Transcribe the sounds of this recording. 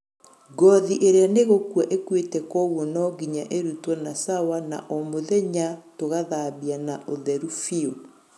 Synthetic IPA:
ɡɔðiʔeɾeaneɣokwaʔekwetɛkɔɣwɔnɔɡiɲaʔeɾutwɔnasawana̰ʔɔmoðɛɲatoɣaðaːβianaʔoðɛɾufio

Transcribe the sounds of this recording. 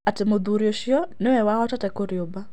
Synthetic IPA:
atɪmod̪uɾjoʃjɔnɪwɛwaɔtatɛkoɾjoba

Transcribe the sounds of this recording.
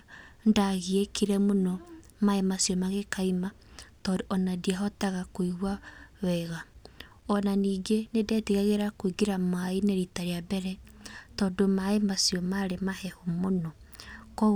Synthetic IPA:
ndaɣiekiɾɛmonɔ | maemasjɔmaɣekaima | tɔdoʔɔnadiaɦɔtaɣakwiɣwawɛɣa | ɔnaniːɡenedɛteɣaɣeɾakwiɡiɾamaineɾitaɾeabɛɾɛtɔdomaemasijɔmaɾemahɛhomonɔ | kɔ

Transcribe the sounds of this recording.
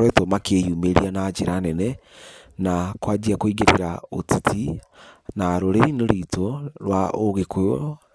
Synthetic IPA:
ɾɛtɔmakejuːmeɾianad͡ʒeɾanɛnɛ | nakwad͡ʑiakoiɣeɾeɾaotitʰi | naɾoɾeɾinoɾiːtoɾwaoɣekojo

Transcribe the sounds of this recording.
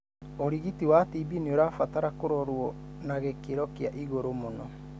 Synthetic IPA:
oɾiɣitiwatibinioɾaːfataɾakoɾɔɾwɔ | naɣekeɾɔkiaʔiɣoɾomonɔ

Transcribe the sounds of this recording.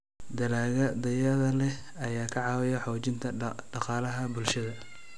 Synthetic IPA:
d̪ɐlaːɣɐd̪ɐjɐðɐlɛ | ɐjaːkʰɐʕɑːwɪjɐħɔːt͡ʃɪnt̪ʰɐɖɑqɑːlɐɦɐbʊlʃɐðɐ

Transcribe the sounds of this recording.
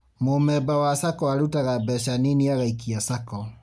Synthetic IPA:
momɛbawasakɔaɾutaɣabɛʃaniniaɣaikiasakɔ

